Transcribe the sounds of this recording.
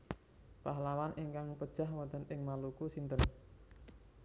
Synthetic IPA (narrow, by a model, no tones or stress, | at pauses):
paɦlawanʔiŋkaŋpəd̥ʒ̥a̤hwant̪ənʔɪŋmalukusint̪ən